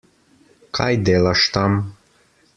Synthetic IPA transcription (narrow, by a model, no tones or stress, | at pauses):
kʰajd̪elaʃt̪am